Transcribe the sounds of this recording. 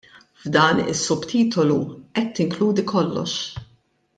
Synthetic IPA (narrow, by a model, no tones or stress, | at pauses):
vd̪ɐːnɪ̰sːʊbt̪ʰiːt̪ɔluʔɛt̪ːɪŋkluːd̪ikʰɔlːɔ̰ʃ